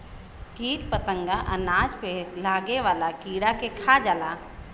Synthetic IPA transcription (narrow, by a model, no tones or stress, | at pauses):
kiːʈpət̪ə̃ŋɡaʔɐnaːd͡ʒpelaːɡeʋaːlakiːɽakekʰad͡ʒaːlaː